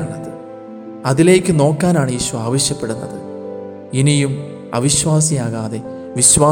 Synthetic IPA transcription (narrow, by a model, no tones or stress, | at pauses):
ɳːɐðɨ | ɐðile̞ːkʲːɨno̞ːkːaːnaːɳɨiːɕuɐaːʋɐɕjɐpːe̞ɽunːɐðɨ̰ | inijum | ɐ̰ʋiɕʋaːsijaːɣaːðe̞ | ʋiɕʋaː